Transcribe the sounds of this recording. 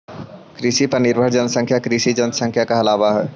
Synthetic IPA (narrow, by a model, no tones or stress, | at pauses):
kɾɪʃipɐɾnɪɾbʱəɾd͡ʒənsə̃ŋkʰjakɾɪʃid͡ʒənəsə̃ŋkʰjakaɐlaːʋaɦɛː